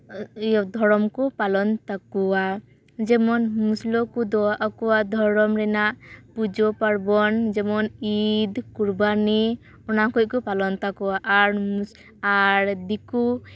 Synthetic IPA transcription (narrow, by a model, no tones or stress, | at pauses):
jɔd̪ʱɔɾɔmkɔpalɔnt̪akɔa | d͡ʒɛmɔnmuslɔkud̪ɔaʔakɔwad̪ʱɔɾɔmɾɛnaʔpud͡ʒɔpaɽbɔnd͡ʒɛmɔnid̪kuɾbani | ɔnakɔt̚kɔpalɔnt̪akɔwaʔɾ | aɾd̪iku